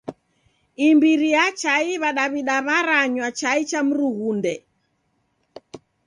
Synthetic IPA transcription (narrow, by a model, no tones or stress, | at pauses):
imbiɾijat͡ʃaiβaɗaβiɗaβaɾaɲwat͡ʃait͡ʃam̩ɾuɣundɛ